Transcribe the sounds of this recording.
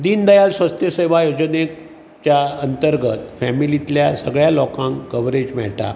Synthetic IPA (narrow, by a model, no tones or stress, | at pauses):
d̪iːnd̪əjalsʋəst̪jəseʋ̤ajod͡ʑəne | t͡ɕjaənt̪əɾɡət̪fɛmilit̪ljasəɡɭjalɔkãŋkkəʋɾed͡ʑmɛ̰ɭʈa̰